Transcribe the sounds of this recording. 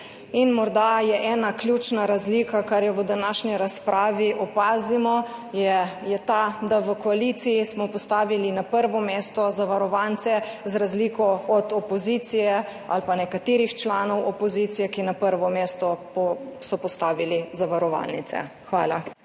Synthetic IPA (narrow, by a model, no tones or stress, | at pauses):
inmɔɾd̪ajɛʔɛːnaklʲjut͡ʃnaɾazliːkakaɾjɛʋəd̪anaʃɲiɾaspɾʔaːʋiʔɔpaːzimɔjɛjɛt̪ad̪aʋəkɔalit̪sijismɔpɔst̪aːʋilinapəɾʋɔmeːst̪ɔzaʋaɾɔʋant̪sɛzɾazliːkɔɔd̪ɔpɔzit̪sijɛa̰lpanɛkat̪eːɾixt͡ʃlanɔwɔpɔzit̪sijɛkinapəɾʋɔmeːst̪ɔ | sɔpɔst̪aːʋilizaʋaɾɔʋa̰lnḭt̪sɛ̰ | xʋaːla